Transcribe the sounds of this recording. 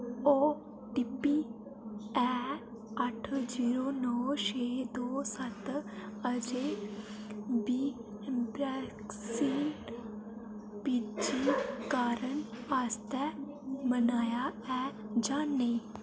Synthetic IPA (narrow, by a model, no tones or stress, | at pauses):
oː | ʈipi | ɛː | əʈʰd͡ʒiːɾoːnɔːʃeːd̪oːsɐt̪əd͡ʒe | biː | bɾɛːksiːɳʈ | pid͡ʒikaːɾənaːst̪ɛ | mənaːjaɛːd͡ʒaːnːe